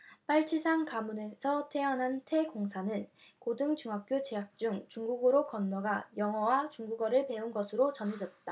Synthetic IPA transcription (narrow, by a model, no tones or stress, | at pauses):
p͈aɭt͡ɕʰisʰaŋkamune̞sʰʌtʰe̞ʌnɦantʰe̞ɡoŋsʰanɯnkodɯŋt͡ɕuŋɦak̚k͈jot͡ɕeɦak̚t͡ɕ͈uŋt͡ɕuŋɡuɡɯɾokʌnːʌɡajʌŋɦʌwat͡ɕuŋɡuɡʌɾɯɭpe̞unɡʌsʰɯɾot͡ɕʌned͡ʑʌt̚t͈a